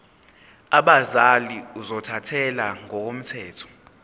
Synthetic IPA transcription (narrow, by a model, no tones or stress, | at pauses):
aɓazaliuzɔtʰatʰɛlaŋɔk̬om̩tʰɛːtʰɔ̥